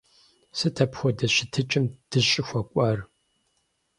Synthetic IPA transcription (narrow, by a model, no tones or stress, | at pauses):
sɨtʰɐpxʷɔdɐɕɪtʰɨt͡ʃʼɪmd̥ɨɕʼɪxʷɔkʷʼɐr